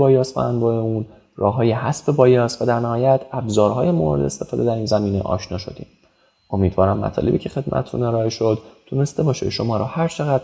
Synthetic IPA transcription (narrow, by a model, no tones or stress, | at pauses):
bɒːjɒːst̪væ̰ænbɒːjeuːn | rɒːɦɒːjehæsbe̞bɒːjɒːst̪væd̪æɾnæhɒːjæt̪ʰæbzɒːɾɦɒːjemo̰ɾed̪e̞st̪e̞fɒːd̪e̞d̪æɾiːnzæmiːne̞̰ʔɒ̰ːʃnɒːʃod̪ḭːm | o̞miːd̪vɒːɾæmːæ̰t̪ʰɒ̰le̞biːcʰe̞xe̞d̪mʔæ̰t̪ʰet̪ʰṵne̞ɾɒːeʃo̞d̪ːʰune̞st̪e̞bɒːʃḛʃo̞mɒːɾɒːhæɾt͡ʃʰe̞ɣæd̪